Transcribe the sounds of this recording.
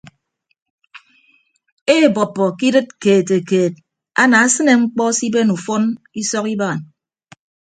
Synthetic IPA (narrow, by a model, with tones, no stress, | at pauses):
e˦˨bɔ˨pːɔ˨ki˦dɨ˦t̚keː˨te˨keː˨t̚ | a̰˦na˨a˦sɨ˦ne˨ŋ͡m̩˦k͡pɔ˦si˦be˦nu˨fo˦n | i˦sɔ˦ki˦baː˦˨n